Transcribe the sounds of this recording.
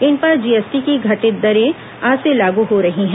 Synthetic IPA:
ɪnpɐɾd͡ʒiːɛːsʈikiɡʱɐʈɪd̪ɐɾẽ | aːselaːɡuɦoɾɐɦiɦɛ̃

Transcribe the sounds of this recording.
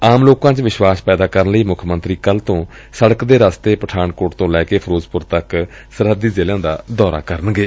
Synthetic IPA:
aːmloːkãːt͡ʃʋɪʃwaːspɛːd̪aːkəɾənləiːmʊkʰmənt̪ɾiːkəlt̪õː | səɽəkd̪eːɾaːst̪eːpəʈʰaːnkoːʈt̪õːlɛːkeːpʰəɾoːzpʊɾt̪ək | səɾɦəd̪iːzeːlãːd̪aːd̪ɔːɾa̰ːkəɾənɡeː

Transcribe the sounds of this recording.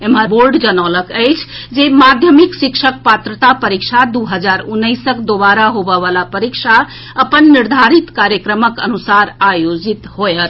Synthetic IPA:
emɦəɾboɾɖd͡ʒənəwləkəjt͡ʃʰd͡ʒemad̪ʱjəmiksikʃʰək̚pat̪ɾət̪apəɾik̚t͡ʃʰad̪uɦəd͡ʒaɾunːəjsəkd̪oβaɾaɦobəβalapəɾikt͡ʃʰa | əpənːiɾd̪ʱaɾit̪kaɾjəkɾəməkə̰nusaɾajod͡ʒit̪ɦojət̪

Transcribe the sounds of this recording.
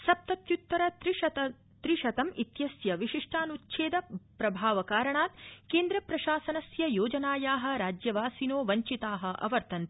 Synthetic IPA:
sɐp̚t̪ɐt̪jut̪ːɐɾɐt̪ɾiɐ | t̪ɾiʃɐt̪ɐmʔit̪jɐsjɐʋiʃiʂʈʰaːnut̪ːʃʰeːd̪ɐpɾɐbʱaːʋɐkaːɾɐɳaːt̪keːnd̪ɾɐpɾɐʃaːsɐnɐsjɐjoːd͡ʒɐnaːjaːɦɐ̆ɾaːd͡ʒjɐʋaːsinoːʋɐɲt͡ʃit̪aːɦɐ̆ʔɐ̰ʋɐɾt̪ɐnt̪

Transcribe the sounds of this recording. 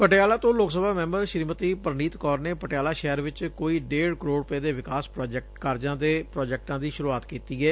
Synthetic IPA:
pəʈeaːlaːt̪õːloːksəbʱaːmɛ̃ːmbəɾʃɾiːmət̪iːpəɾniːt̪kɔːɾneːpəʈeaːlaːʃɛːɾʋɪt͡ʃkoːiːɖeːɽkəɾoːɽʊpeːd̪eːʋɪkaːspɾɔːd͡ʒɛk̚ʈkaɾd͡ʒãːd̪eːpɾɔːd͡ʒɛːk̚ʈãːd̪iːʃʊɾuaːt̪kiːt̪iːɛː

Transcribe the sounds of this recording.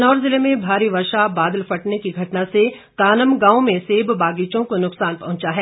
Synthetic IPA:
nɔːɾzɪlemẽbʱaːɾiʋɐɾʃabaːd̪əlfɐʈnekiɡʱɐʈnase | kaːnəmɡãːõmẽseːbbaːɡiːt͡ʃõkonʊksaːnpɐɦʊ̃t͡ʃaɦɛː

